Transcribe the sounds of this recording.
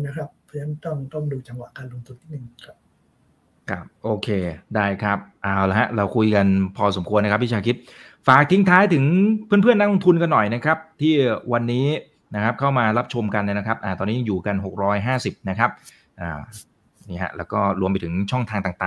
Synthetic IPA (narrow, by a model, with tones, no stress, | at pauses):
na˦˥kʰɾa˦˥p̚ʰːɔ˧˥nʰa˦˥nt̪ɔ˥˩ŋt̪o˥˩ŋduː˧t͡ɕa˧ŋwa˨˩ʔkaː˧nlo˧ŋt̪ʰu˧nt̪ʰiː˥˩nɯ˨˩ŋʰa˦˥ | kʰɾa˦˥p̚ʔoː˧kʰeː˧daː˥˩jkʰa˦˥p̚ʔaː˨˩wla˧˦˩ɦa˦˥ʔɾa˧wkʰu˧jka˧npʰɔː˧so˩˦mkʰu˧ənːa˦˥k̚ʰwi˦˥t͡ɕʰaː˧kʰi˦˥t̪̚ | faː˨˩k̚t̪ʰi˦ŋt̪ʰaː˦˥jt̪ʰɯ˩˦ŋpʰɯ˥˩npʰɯ˥˩əna˦˥lo˧ŋt̪ʰu˧nka˧nːɔ˨˩jna˦˥kʰɾa˦˥p̚t̪ʰiː˥˩wa˧nːiː˦˥ | na˦˥kʰa˦˥p̚kʰa˥˩wmaː˧ɾa˦˥p̚t͡ɕʰo˧mka˧nːa˥˩na˦˥kʰa˦˥p̚ʔaː˨˩t̪ɔː˧ni˦˥˧juː˨˩ka˧nɦo˨˩k̚ɾɔː˦˥jɦaː˥˩si˨˩p̚na˦˥kʰa˦˥p̚ | ʔaː˨˩ | niː˥˩ɦa̰˦˥ʔlɛ̰ː˦˥wkɔː˥˩ɾu˧əmpa˧jt̪ʰɯ˩˦ŋt͡ɕʰɔ˥˩ŋt̪ʰaː˧ŋt̪aː˨˩ŋt̪aː˨˩ŋ